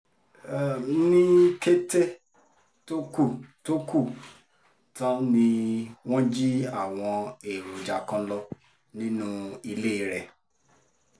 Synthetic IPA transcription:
nĩ˦ke˦te˦ | to˦ku˦˨to˦ku˦˨ | tã˦nĩ˧w̃ɔ̃˦d͡ʒi˦a˦˨w̃ɔ̃˧e˨ɾu˨d͡ʒa˨kã˧lɔ˦ | nĩ˦nũ˦i˧le˦i˨˧˦ɾɛ˨

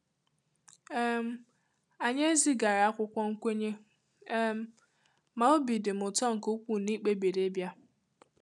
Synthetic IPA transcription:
e˦m̩˦ | a˨ɲe˦zi˦ɡa˨ɾa˨a˦kʷʊ˦kʷɔ˦ŋ̩˦kʷe˦ɲe˦ | m̩˦ | ma˨o˦bi˨dɪ˨m̩˨ʊ˨tɔ˦ŋ̩˨ko˦kʷu˨ni˦k͡pe˦be˨ɾe˦bja˦

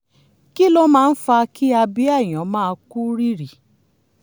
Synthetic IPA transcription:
ki˦lo˦mãː˦˧˦n̩˦fa˧ki˦a˧bi˦a˦˨j̃ɔ̃˨˦mãː˦˧ku˦ɾi˦ɾi˨

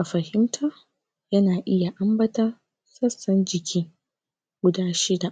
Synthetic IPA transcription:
ʔa˨ɸɐ˨hɪ˦mtʰa˦ | jɐ˦naː˨ʔɪ˦ja˨ʔa˦mbɐ˦tɐ˦ | sɐ˦sːɐ˦nd͡ʒɪ˨kʲiː˦ | ɡ̥ʷʊ˦daː˦ʃɪ˦da˨

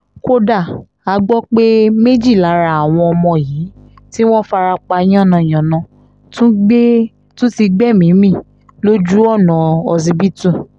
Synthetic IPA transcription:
ko˦da˦˨ | a˧ɡ͡bɔ˦k͡pe˦me˦d͡ʒi˦˨la˨˦ɾa˧˦a˨w̃ɔ̃˧ɔ˧mɔ̃˧jiː˨˦ | ti˦w̃ɔ̃˦fa˧ɾa˧k͡pa˧j̃ã˦˨nã˨j̃ã˨nã˨˦ | tũ˦ɡ͡be˦ | tũ˦ti˧ɡ͡bɛ˦˨mĩ˨˦mĩ˦˨ | lo˦d͡ʒu˦ɔ˦˨nɔ̃˨ɔ˧zi˧bi˦tũ˦˨

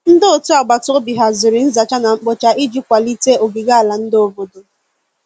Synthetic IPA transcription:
n̩˦dɪ˦o˨tu˦a˨ɡ͡ba˨tʊ˦bi˨ɦa˨zɪ˨ɾɪ˨n̩˦za˨t͡ʃa˦na˨ŋ͡m̩˦k͡pɔ˦t͡ʃa˨ʔi˦d͡ʒi˦kʷa˨li˦te˦o˨ɡi˨ɡa˦a˨la˨n̩˦do˨vo˨do˨

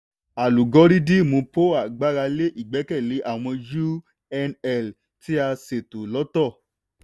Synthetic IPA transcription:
a˨lu˨ɡɔ˨˦ɾi˦di˦mõ˧po˦a˨ɡ͡ba˨˦ɾa˧le˦ʔi˦˨ɡ͡bɛ˨˦kɛ˦˨le˨˦ʔa˦˨w̃ɔ̃˧d͡ʒu˦ | ɛ˧nɛ˨l | ti˦a˧se˨to˨lɔ˨˦tɔ˦˨

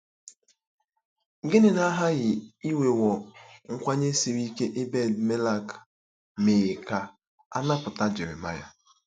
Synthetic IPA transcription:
ɡɪ˦nɪ˨na˦ɦa˦ɣɪ˨i˦we˨wɔ˨ŋ̩˦kʷa˦ɲe˦si˨ɾi˦ke˦ʔɪ˦bɛ˦˨dme˦la˦k | me˨ɣe˨ka˦ | a̰˦na˦pʊ˨ta˦d͡ʒɪ˨ɾɪ̰˨ma˦ja̰˦

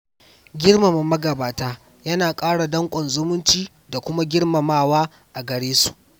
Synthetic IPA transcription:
ɡʲɪ˦rma˨ma˨mɐ˦ɡɐ˨baː˨taː˦ | jɐ˦naː˨kʼaː˦ɽa˨dɐ˦ŋkʷʼɔ˨nzʊ˦mʊ˦nt͡ʃiː˦ | da˨kʷʊ˦ma˦ɡʲɪ˦rma˨maː˦˨waː˦ | ʔa˨ɡɐ˨ɽeː˦su̥̰˨ʔ

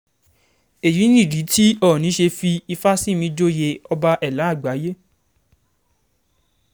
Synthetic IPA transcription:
e˨ji˨˦nĩ˦˨ɾi˨˦tʰi˦ɔ˦˨nĩ˨˦ʃe˧fi˧i˧fa˦si˦˨mĩ˧˦d͡ʒo˦je˧ɔ˧ba˧ʔɛ˨la˨˦˨ɡ͡ba˨˦je˦

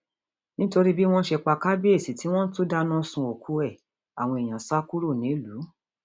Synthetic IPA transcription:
nĩ˦to˧ɾi˦bi˦w̃ɔ̃˦ʃe˧k͡pa˧ka˦be˦e˦˨si˨˦ti˨˦w̃ɔ̃˦n̩˦tu˦da˦nã˦sũ˧o˨kʰu˨˦ɛ˦˨ | a̰˨w̃ɔ̃˧e˨j̃ã˨sa˦ku˦ɾo˦˨nĩ˨˦lu˨˦

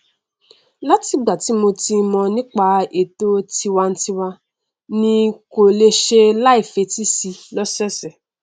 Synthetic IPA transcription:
la˦ti˧˦ɡ͡ba˨ti˨˦mo˧ti˧mɔ̃˧nĩ˦k͡pa˧e˨to˦ti˧wa˧n̩˦ti˧wa˧ | nĩ˦ko˨le˧ʃe˧la˦i˦˨fe˧˦ti˦si˧lɔ˦sɔ˦˨sɛ˨

